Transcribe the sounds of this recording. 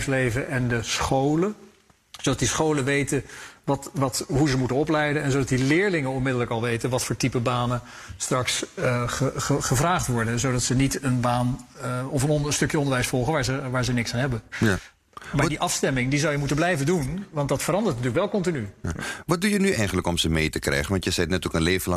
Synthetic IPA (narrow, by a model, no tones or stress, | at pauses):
slejvəʔɛndəsχowlə | z̥owdɑt̚disχowlənʋejtənʋɑtʋɑtɦuzəmutənɔplɛjdənɛnzowdɑtdilɪːɹlɪŋənɔnmɪdələkɑlˠʋejtənʋɑtfʊːɹtipəbaːnə | strɑksəəχəvraːχtʋɔɹdənzodɑtsənitənbaːnɔfənstɵkjəɔndəɹʋɛjsfɔlˠχənʋaːɹzəʋaːɹzənɪksaːnɦɛbəa | maːdiʔɑfstɛmɪŋdizɑwjəmutənblɛjvəndunʋɑntdɑtfərɑndəɹtnatyɹləkʋɛlˠkɔntinyʋɑt̚dujənyɛjχən̩ləkɔmzəmejtəkrɛ̰jχənʋɑntjəzɛtnɛtɔkənlejvəlɑ